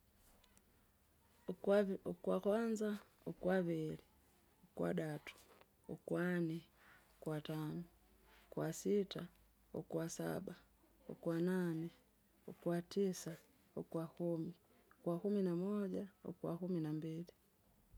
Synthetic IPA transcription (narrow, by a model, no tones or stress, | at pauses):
kwakwanza | okwaβili | okwa̰ɗatu̥ | o̰kwanɛ | okwatanu | kwasita | o̰kwasa̰ba | o̰kwananɛ | okwatisa | okwakumi | okwakuminamɔɟao̰kwa̰kuminambili